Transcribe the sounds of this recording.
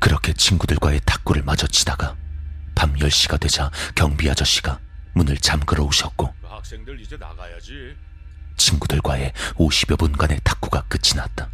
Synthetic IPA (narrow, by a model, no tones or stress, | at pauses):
kɯɾʌkʰe̞t͡ɕʰinɡudɯɭɡwae̞tʰḁk̚k͈uɾɯɭmad͡ʑʌt͡ɕ͈idaɡapamjʌɭɕ͈iɡadwe̞d͡ʑakjʌŋbiɦad͡ʑʌɕ͈i̥ɡa | munɯɭt͡ɕamkɯɾʌoɕʰʌt̚k͈o | t͡ɕʰinɡudɯɭɡwae̞oɕʰibjʌbunɡane̞tʰḁk̚k͈uɡak͈ɯt͡ɕʰinat̚t͈a